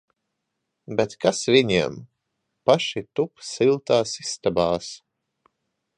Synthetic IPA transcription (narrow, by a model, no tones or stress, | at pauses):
bɛt̪kasviɲiɛm | paʃit̪upsilˠt̪aːsist̪abaːs